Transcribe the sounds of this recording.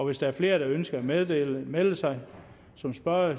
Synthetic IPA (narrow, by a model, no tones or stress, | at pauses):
ɒ̽ʋe̝sd̥ɑæɐfle̝ːɐɾ̥ɑ̈ønsɡ̥ɐæmeðˠdelmeləsɑ̈ɪ | sɒ̽msb̥ɶɐ̰